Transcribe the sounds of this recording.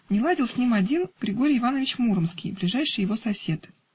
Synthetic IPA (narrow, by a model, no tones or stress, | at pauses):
nʲɪlˠadʲɪlˠsʲnʲimɐdʲinɡ̥ɾʲɪɡo̞ɾʲɪjɪvanəvʲɪt͡ɕmuɾəmskʲɪjblʲɪʐajʂɨjːɪvo̞sɐsʲe̞t̪